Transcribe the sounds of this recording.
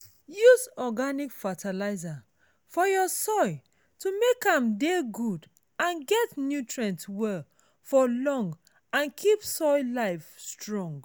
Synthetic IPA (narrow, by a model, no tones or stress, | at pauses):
juzɔɡanikfatʰalaɪza | fɔjɔsɔɪ | tumekãmdeɡud | ãnɡɛtnjutʰɹɛ̃ntwɛl | fɔlɔ̃ŋɡ | ãnkʰipsɔɪlaɪfstɹɔ̃ŋɡ